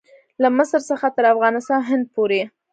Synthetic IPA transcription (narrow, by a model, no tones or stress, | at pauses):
laməsəɾsəxat̪əɾafɣɑnɪst̪ɑnɦɪnd̪̚poɾe